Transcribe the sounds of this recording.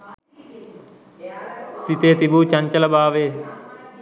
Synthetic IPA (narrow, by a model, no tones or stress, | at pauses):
sit̪eːt̪ibuːt͡ʃɐɲt͡ʃəlɐbaːʋeː